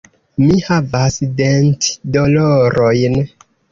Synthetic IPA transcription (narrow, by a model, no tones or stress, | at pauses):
mihavasdentdoloɾo̞jn